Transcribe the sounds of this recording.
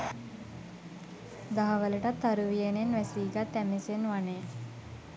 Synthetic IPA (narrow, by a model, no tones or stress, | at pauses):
d̪aɦaʋələʈat̪ːaɾuʋijenenʋæsiːɡat̪ːæmesenʋane